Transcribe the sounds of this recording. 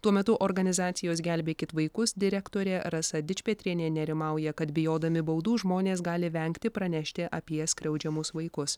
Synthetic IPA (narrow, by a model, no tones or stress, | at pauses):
t̪uɔmʲɛt̪ʊʔoɾɡɐnʲɪzɑːt̪sʲɪjoːs̬ɡʲælʲbʲeːkʲɪt̪ʋɐɪkʊsd̪ʲɪɾʲɛkt̪oːɾʲeːɾɐsɐd̪ʲɪt͡ʃʲpʲɛt̪ʲɾʲinʲeːnʲɛɾʲɪmɑˑʊjɛkɐt̪bʲɪjoːd̪ɐmʲɪbɐʊd̪uːʒmoːnʲeːsɡɑːlʲɪʋʲɛŋkt̪ʲɪpɾɐnʲæʃʲt̪ʲɪʔɐpʲiɛsʲkʲɾʲɛʊd͡ʒʲɛmʊsʋɐɪkʊs